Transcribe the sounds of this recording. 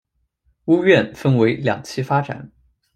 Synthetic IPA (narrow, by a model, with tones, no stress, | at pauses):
u˥ɥɛ˥˩nfə˥nwe˧˥ɪljɑ̰˨˩ŋt͡ɕʰi˥fa˥ʈ͡ʂa̰˨˩˦n